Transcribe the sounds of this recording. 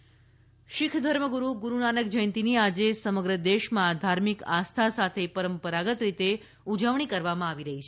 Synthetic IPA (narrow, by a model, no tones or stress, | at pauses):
ʃɪkʰd̪ʱəɾməɡuɾuɡuɾunanək̚d͡ʒəjnt̪iniad͡ʒesəməɡɾəd̪eʃmãd̪ʱaɾmika̰st̪ʰasat̪ʰepəɾəmpəɾaɡət̪ɾit̪e | ud͡ʒəʋɳ̃ikəɾʋamãaʋiɾəɦit͡ʃʰe